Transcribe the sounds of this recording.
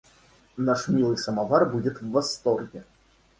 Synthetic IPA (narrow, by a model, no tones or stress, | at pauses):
naʂmʲilˠɨsɐmavarbud͡zʲɛt̪wːɐst̪ɔrɣʲɛ